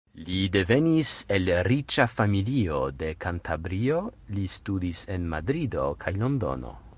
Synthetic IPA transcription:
lide̞ve̞nise̞lɾit͡ʃafamilio̞de̞kantʰabɾio̞listudise̞nmadɾido̞̰kʰajlo̞ndo̞̰no̞̰

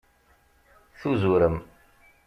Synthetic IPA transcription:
θuzuɾəm

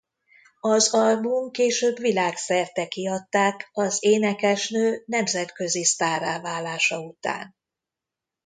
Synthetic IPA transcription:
ɒzɒlbuŋkeːʃøːbvilaːksɛrt̪ɛkiɒt̪ːaːkɒzeːnɛkɛʃnøːnɛmzɛt̪kø̞zist̪aːraːvaːlːaːʃɒut̪a̰ːn

